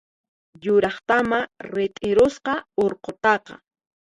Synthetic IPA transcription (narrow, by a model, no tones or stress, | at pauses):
jʊɾɑχt̪amaɾɪt̪ʼɪɾʊsqɑoɾqot̪ɑqɑ̰